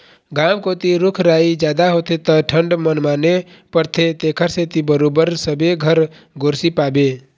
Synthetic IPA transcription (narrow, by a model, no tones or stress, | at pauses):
ɡaːmkot̪iɾʊkʰɾaːid͡ʒjaːd̪aɦoːt̪ʰet̪əʈʰəɳɖmənmaːne | pəɾt̪ʰet̪ekʰəɾset̪ibəɾoːbəɾsəbeɡʱəɾ | ɡoːɾsipaːbe